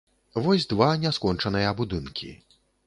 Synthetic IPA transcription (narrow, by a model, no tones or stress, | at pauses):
vɔsʲd̪vanʲɛskɔnt͡ʂɐnɨjɐbud̪ɨnkʲʰḭ